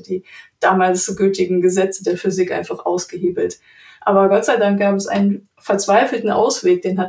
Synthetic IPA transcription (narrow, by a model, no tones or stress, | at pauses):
d̥iːd̥aːmaːlsɡyːtɪɡŋ̩ɡəzɛt͡sədeːɐfyzɪkʔa̰ɪnfaχʔa̰ʊsɡ̥əɦeːbl̩t | ʔaːbɐɡɔtz̥aɪdaŋk̚ɡ̥aːbɛsʔa̰ɪnən | fɛɐt͡sv̥aɪfl̩tn̩ʔa̰ʊsv̥eːk̚d̥eːnɦa